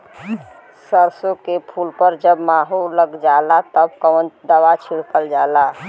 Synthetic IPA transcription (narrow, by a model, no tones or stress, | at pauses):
səɾsokepʰulpəɾd͡ʒəbmaɦuləɡd͡ʒalat̪əbkəʋənd̪əʋat͡ʃʰiɽkəld͡ʒala